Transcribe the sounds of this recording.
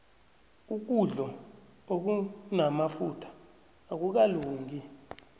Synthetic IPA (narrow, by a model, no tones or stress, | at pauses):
uk̬uɮɔ | ok̬unamafutʰḁː | k̬uk̬aluːŋɡi